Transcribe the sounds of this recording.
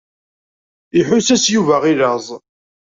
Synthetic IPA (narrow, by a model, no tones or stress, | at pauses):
iħʊsæsjuvæʁiləzˤ